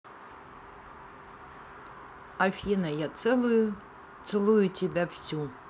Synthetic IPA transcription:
afʲinajaɛj | t̪sɨlˠujutʲɪbʲafsʲu

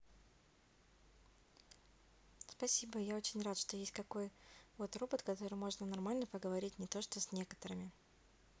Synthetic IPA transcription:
spɐsʲibəjao̞t͡ɕɪnʲrat̪ʂt̪o̞jesʲtʲkɐko̞jvo̞t̪ropət̪kɐt̪o̞ɾɨjmo̞ʐnənɐrmalʲnəpəɡəvɐɾʲitʲnʲɪt̪o̞ʂt̪osʲnʲe̞kə̥t̪əɾɨmʲɪ

